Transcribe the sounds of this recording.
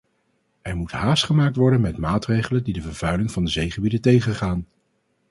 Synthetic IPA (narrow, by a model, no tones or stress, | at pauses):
ʔɛɹmutɦaːstχəmaːk̚tʋɔɹdənmɛtmaːtrejχələndidəvəɹv̥œɥlɪŋvɑndəzejχəbidəntejχənχaːn